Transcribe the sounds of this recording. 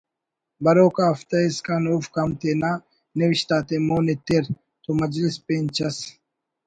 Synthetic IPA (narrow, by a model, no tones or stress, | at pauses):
bɐɾoːkaːɐft̪ɐiskaːnuːfkɐmt̪enaː | newiɕt̪aːt̪emoːnet̪eɾ | t̪omɐd͡ʑlispeːnt͡ɕʰɐs